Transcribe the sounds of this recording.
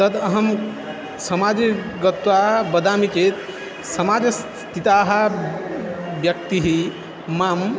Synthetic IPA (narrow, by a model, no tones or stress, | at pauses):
t̪əd̪əɦəm | səmad͡ʒiɡət̪wabəd̪amike | səmad͡ʒs | t̪ʰit̪aɦa | bjək̚t̪iɦi | mam